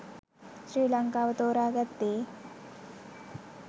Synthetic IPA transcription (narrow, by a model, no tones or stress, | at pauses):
ɕɾiːləŋkaːʋɐt̪oːɾaːɡət̪ːeː